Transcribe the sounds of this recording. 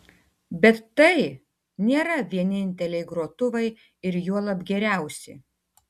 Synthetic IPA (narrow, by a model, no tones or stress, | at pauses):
bʲɛt̪ːɐɪ | nʲeːɾɐʋʲiɛnʲɪnʲt̪ʲɛlʲɛɪɡɾuɔt̪ʊʋɐɪ | ɪɾjuɔlˠɐbʲɡʲɛɾʲæˑʊsʲɪ̰